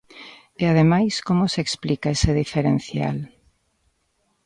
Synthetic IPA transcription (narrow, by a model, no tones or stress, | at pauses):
eaðemajskomoseeksplikaeseðifeɾenθja̰l